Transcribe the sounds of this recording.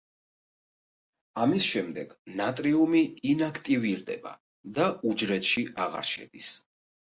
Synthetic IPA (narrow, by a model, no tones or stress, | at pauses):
amisʃɛmd̪ɛɡ̥nat̪ʼɾiumiːnakʰt̪ʼiviɾd̪ɛ̰ba̰ | d̪aud͡ʒɾɛt̪ʃiʔaʁa̰ɾʃɛ̰d̪̥is